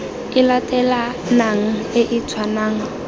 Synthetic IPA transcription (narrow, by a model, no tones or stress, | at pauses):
ɪlatʼɛla | naŋ̩ɪʔɪt͡sʰwanaːŋ̩